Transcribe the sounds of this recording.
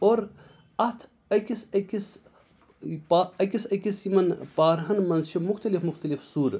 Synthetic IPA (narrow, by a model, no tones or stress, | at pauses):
oːɾ | ɐt̪ʰ | ɐkʲisɐkʲis | paɐkʲisɐkʲisimɐnpaːɾɦɐnmɐnzʃimuxt̪ɐlifmuxt̪ɐlifsuːɾ